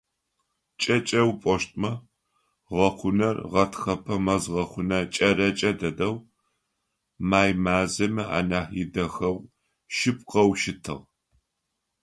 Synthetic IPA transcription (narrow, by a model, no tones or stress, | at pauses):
t͡ʃʼɐt͡ʃʼɐwpʼɔʃtʼmɐ | ʁɐχʷʊnɐrʁɐtʰxɐpʰɐmɐzʁɐχʷʊnɐt͡ʃʼɐɾɐt͡ʃʼɐdɐdɐw | maːjmaːzɐmɨʔa̰ːnaːħjɪdɐxɐw | ʃɪp̚qɐwʃɪtʰɨ̰ʁ